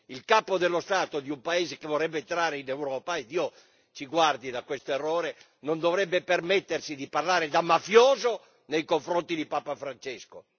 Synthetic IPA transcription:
ilkaːpod̪elːost̪aːt̪od̪iumpaeːzekevorɛbːet̪ɾaːɾeinewɾɔːpaed̪ːiːo | t͡ʃiɡward̪id̪akwest̪oerːoːɾe | nond̪ovɾɛbːepermɛt̪ːersid̪iparlaːɾed̪amafjoːzo | nejkoɱfɾont̪id̪ipaːpafɾant͡ʃɛsko

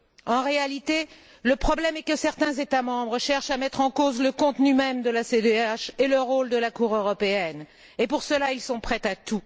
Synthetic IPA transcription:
ɑ̃ʁealit̪e | ləpχɔblɛmɛkəsɛʁt̪ɛ̃zet̪amɑ̃bʁəʃɛʁʃamɛt̪χɑ̃kozləkɔ̃t̪nymɛmd̪əlased̪eaʃeləʁold̪əlakuʁøʁɔpeɛn | epuʁsəlailsɔ̃pχɛt̪at̪u

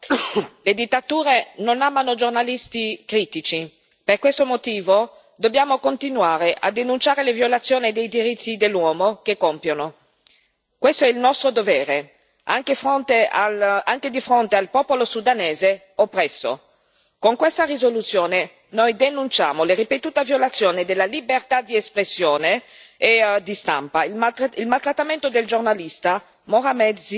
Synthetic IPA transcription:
led̪it̪ːat̪uːɾenonaːmanod͡ʒornalist̪ikɾiːt̪it͡ʃi | perkwest̪omot̪iːvo | d̪objaːmokont̪inwaːɾeʔa̰d̪enunt͡ʃaːɾelevjolat̪sːjoːnid̪ejd̪iɾit̪ʰːid̪elːwɔːmokekːompjono | kwest̪oɛilnɔst̪ɾod̪ovɛːɾe | a̰ŋkefont̪eaaŋk̟ed̪ifɾont̪ealpɔːpolosud̪aneːze | ɔpːɾɛsːo̰ | koŋkwest̪arizolut̪sːjoːne | nojd̪enunt͡ʃa̰ːmoleripet̪uːt̪avjolat̪sːjoːnid̪elːalibert̪ad̪iespɾesːjoːneː | d̪ist̪a̰mpailmalt̪ɾat̪ːament̪od̪eld͡ʒornalist̪a | moɾamɛd̪s

